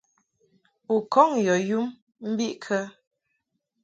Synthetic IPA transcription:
u˨kɔ˦ŋjɔ˨ju˦m | m̩˦bi˦ʔkʰə˦

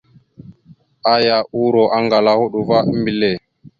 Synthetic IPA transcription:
ʔa˦ja˨ʔu˦ɾɔ˨ʔa˦ŋɡa˨la˦ho˦ɗu˨va˦m˦bi˨le˨

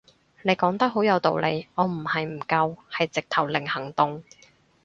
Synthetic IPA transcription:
ne˨˧jkɔː˨˥ŋt̪ɐ˥k̚ɦo˨˥wjɐ˨˧wt̪o̰˨wlḛ˨˧jʔɔː˨˧m̩˨˩hɐ˨jm̩˨˩kɐ˧whɐ˨jt͡sɪ˨k̚t̪ʰɐ˨˩wlɪ˨˩ŋhɐ˨˩ŋt̪ʊ˨ŋ

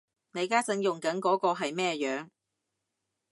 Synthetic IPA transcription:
ne˨˧jkaː˥t͡sɐ˨˥ŋjʊ˨ŋkɐ˨˥nkɔː˨˥kɔː˧ɦɐ˨jmɛː˥jœː˨˧ŋ

